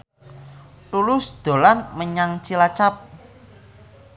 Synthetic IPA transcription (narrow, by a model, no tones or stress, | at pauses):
lulʊsd̪̥o̤lanməɲaŋt͡ʃilat͡ʃap̚